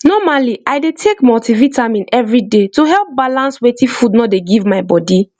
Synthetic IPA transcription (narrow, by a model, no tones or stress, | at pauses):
nɔmaliʔajdetʰekmɔtivitʰãmĩnɛvɹidetuɦɛlˠp̚balãnswetĩfudnɔdeɡivmaɪbɔdi